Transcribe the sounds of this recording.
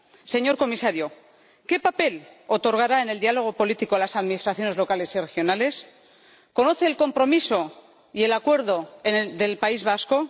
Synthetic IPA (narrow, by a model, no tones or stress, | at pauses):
se̞ɲo̞ɾko̞misaɾjo | ke̞pape̞lot̪o̞ɾɣ̞aɾae̞ne̞ld̪ialo̞ɣ̞o̞po̞lit̪ikoalasaðmĩnist̪ɾaθjo̞ne̞zlo̞kale̞sire̞xjo̞nale̞s | ko̞no̞θe̞ːlko̞mpɾo̞miso̞ | ie̞lakwe̞ɾðo̞enðe̞lpaizβasko̞